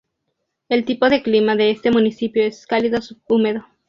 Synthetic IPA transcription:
e̞lt̪ipo̞ðe̞klimaðe̞est̪e̞mũnisipjoeskaliðosuumeðo

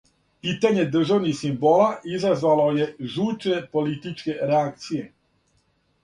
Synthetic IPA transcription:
piːt̪aɲe̞d̪r̩ʒaʋnixsimboːlaizazʋalo̞je̞ʒuːt͡ʃepo̞lit̪it͡ʃke̞ɾeak̚t̪sije

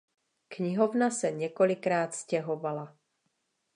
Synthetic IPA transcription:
kɲɪɦo̞vnasɛɲɛko̞lɪkɾaːt̪scɛɦo̞vala

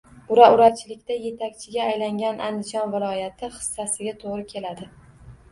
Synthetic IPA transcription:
ʊɾaʊɾat͡ʃʰɪlɪkʲt̪aje̞t̪ʰakʲt͡ʃʰɪɡʲaːjlaŋɡʲanʔand̪ɪd͡ʒɒnvɪlˠɒjat̪ʰɪχɨ̥sːasɪɡʲat̪ʰoʁɾɪkʲʰe̞lad̪ɪ

